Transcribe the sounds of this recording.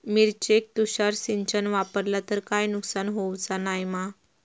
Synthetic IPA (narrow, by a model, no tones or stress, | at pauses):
miɾt͡ɕek̚t̪uɕaɾsiɲt͡ɕənʋapəɾlat̪əɾkajnuksanɦowd͡zanajma